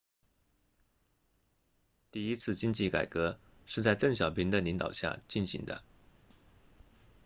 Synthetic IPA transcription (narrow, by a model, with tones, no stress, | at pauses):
t̪i˥˩i˥t͡sʰɹ̩˥˩˧t͡ɕi˥ŋt͡ɕi˥˩ka̰˨˩ɪkɤ˧˥ | ʂɻ̩˥˧t͡sa˥˧ɪt̪ɤ˥˩ŋɕjɑ˨˩ʊpʰi˧˥ŋd̪ə˧li˧˥ŋt̪ɑ̰˨˩ʊɕja̰˥˩t͡ɕi˥˩nɕi˧˥ŋd̪ə̰˧